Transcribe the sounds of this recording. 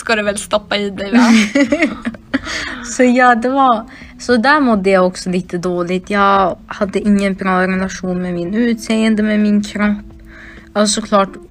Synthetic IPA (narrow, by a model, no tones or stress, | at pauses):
skad̪ɛvɛlst̪ɔpːaiːd̪ɛɪ | sɔjɑːd̪ɛvɑɾ | sɔd̪æɾmɔd̪ːəjaɔksɔliːt̪əd̪oːlɪt̪ʰjɑɡhad̪ːəɪŋːənbɾɑːɾɛlaʂuːnmɛmɪnʉ̟ːt̪seːənd̪əmɛmɪnkʰɾapː | aɔsɔkʰlɑːʈ